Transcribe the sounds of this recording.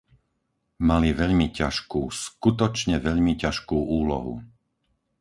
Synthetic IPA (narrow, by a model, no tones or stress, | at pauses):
maliʋɛʎmicaʃkuːskut̪ɔt͡ʃɲɛʋɛʎmicaʃkuːʔuːlɔ̰ɦṵ